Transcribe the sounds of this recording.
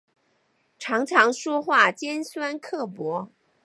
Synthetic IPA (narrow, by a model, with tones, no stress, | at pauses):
ʈ͡ʂʰɑ˧˥ŋʈ͡ʂʰɑ˧˥ŋʂwɔ˥xwa˥˩t͡ɕjɛ˥nswa˥nkʰɤ˥˩pwɔ˧˥